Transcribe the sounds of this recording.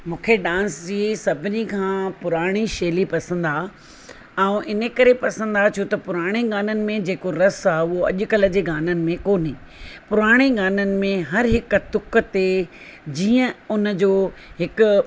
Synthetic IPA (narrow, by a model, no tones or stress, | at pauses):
mũːkʰeɖãːnsd͡ʑiːsɐbʱɪnikʰãːpʊɾaːɽ̃iʃeːlipɐsə̃nd̪aː | ɛ̃ũʔɪnəkɐɾepɐsə̃nd̪at͡ɕʰut̪ɐpʊɾaːɽ̃eɡaːnənɪ̆mẽd͡ʑeːkoɾɐsaːʊɦoɐ̰ʄʊ̆kɐləd͡ʑeːɡaːnənɪ̆mẽkoːniː | pʊɾaːɽ̃eɡaːnənɪ̆mẽɦɐɾɦɪk̆t̪ʊk̆t̪ed͡ʑiːə̃ʊnə̆d͡ʑoːɦɪkʊ̆